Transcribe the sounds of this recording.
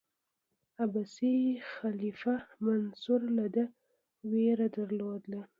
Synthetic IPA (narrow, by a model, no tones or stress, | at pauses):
abasixalifamansuɾlad̪ə | weɾad̪aɾlod̪la